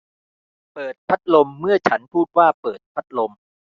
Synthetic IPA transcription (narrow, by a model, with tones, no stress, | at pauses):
pɤː˨˩t̪̚pʰa˦˥t̪̚lo˧mːɯ˥˩ɐt͡ɕʰa˦˥npʰuː˥˩t̪̚waː˥˩pɤː˨˩t̪̚pʰa˦˥t̪̚lo˧m